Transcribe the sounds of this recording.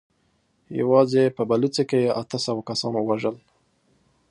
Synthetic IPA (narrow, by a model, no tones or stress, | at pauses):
ja̰wɑzepəbalut͡sekejeʔat̪əsəwakasɑnwaʒəl